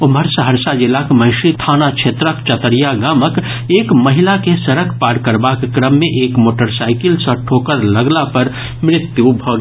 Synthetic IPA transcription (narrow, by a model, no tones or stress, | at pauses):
oməɾsɦəɾsad͡ʒilakməɦʃit̪ʰanat͡ʃʰet̪ɾəkt͡ʃət̪əɾijaɡamək | ekməɦilakesəɾəkʰpaɾkəɾbakːɾəmːeʔekmoːʈəɾsaɪkilsə̃ʈʰokəɾləɡlapəɾ | mɾɪt̪jubʱɔɡ